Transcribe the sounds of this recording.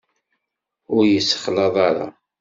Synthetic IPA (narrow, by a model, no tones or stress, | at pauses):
ʊɾjəsːə̥χlɑðˤɑɾˤɑ̰